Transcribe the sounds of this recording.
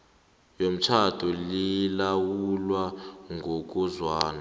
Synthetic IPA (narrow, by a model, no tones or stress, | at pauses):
jom̩t͡ʃʰatʰulilawulwaŋʱok̬ʼuzwaːna